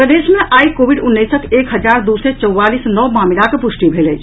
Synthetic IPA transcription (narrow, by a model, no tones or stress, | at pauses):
pɾəd̪eːʃmeʔaːikoːʋiɖʊnːəjsək̪eːkɦəd͡ʒaːɾd̪uset͡ʃəwːaːlisnɔːmaːmilakepʊʃʈibʱeːlɛt͡ʃ